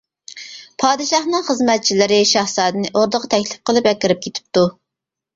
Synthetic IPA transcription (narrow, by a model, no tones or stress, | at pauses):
pʰɑːd̪ɨʃɑχnɨŋχəzmɛt̪̚t͡ʃʰilɪɾɪʃɑhsɑːd̪ɨnɪʔoɾd̪əʁɑt̪ʰɛkʲlɪp̚qəlˠɨpɛkʲːɪɾɪp̚kʲʰet̪ʰɪ̥p̚t̪u